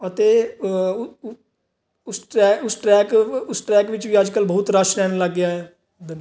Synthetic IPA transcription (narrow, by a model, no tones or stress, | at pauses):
ət̪eː | ʊsʈɛːʊsʈɾɛːkʊsʈɾɛːkʋɪt͡ʃʋiːəd͡ʒkəlbəʊt̪ɾəʃɾɛːnləɡːjaːɛː | d̪ɪn